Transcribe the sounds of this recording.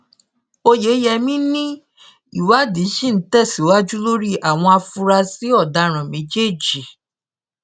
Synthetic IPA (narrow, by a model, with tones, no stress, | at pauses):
o˧je˨˦jɛ˧mĩ˦nĩ˦ | ḭ˦˨wa˦di˨˦ʃĩ˦˨n̩˨˦tɛ˦˨si˨˦wa˦d͡ʒu˦lo˦ɾi˦˨ʔa˨w̃ɔ̃˧a˧fũ˧ɾa˧si˨˦ɔ˦˨da˨˧ɾ̃ã˨mẽ˨˦d͡ʒe˦˨d͡ʒi˨